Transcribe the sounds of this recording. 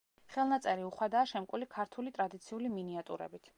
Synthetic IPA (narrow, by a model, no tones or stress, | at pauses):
χɛlˠnat̪sʼɛɾiuχwad̪aːʃɛmkʼulikʰaɾt̪ʰulit̪ʼɾad̪it̪sʰiuliminiat̪ʼṵɾɛ̰bit̪ʰ